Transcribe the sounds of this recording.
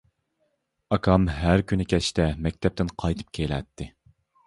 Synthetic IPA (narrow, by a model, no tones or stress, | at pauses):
ɑkʰɑmɦæɾkʲynɪkʲɛt͡ʃt̪ʰɛmɛk̚ʲt̪ʰɛp̚t̪ɪnqʰɑjt̪ʰɨ̥p̚kʲʰelɛ̰t̪ʰːɪ